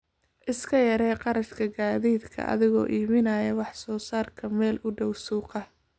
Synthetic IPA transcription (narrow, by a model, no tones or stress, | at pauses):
ʔɪskʰɐjɐɾɛːqɑɾɐʃkʰɐɡaːðiːd̪kʰɐ̰ʔɐ̰ðɪɣɔ̰ːʔiːmɪnaːjɐwɑħsɔːsaːrkʰɐmɛːlʊɖɔwsuːqɐ